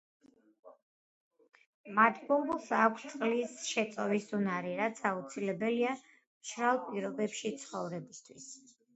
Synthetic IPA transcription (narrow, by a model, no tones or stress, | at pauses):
mat̪ʰbɔmbulˠsakʷʰst̪sʼlisʃɛt̪sʼɔvisunaɾiɾat̪sʰaut̪sʰilɛbɛlia | mʃɾalˠpʼiɾɔbɛpʃit̪sʰχɔvɾɛbist̪ʰwis